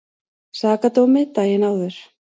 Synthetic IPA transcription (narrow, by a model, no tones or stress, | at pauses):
saːkat̪owmɪt̪aːjɪnawðʏɾ̥